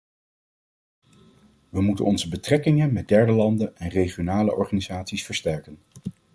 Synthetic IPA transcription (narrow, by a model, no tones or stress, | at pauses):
ʋəmutə̰nɔnzəbətrɛkɪŋənmɛd̚dɛɹdəlɑndənɛnrejχijonaːləʔɔɹχaːnizaːtsisfəɹstɛɹkən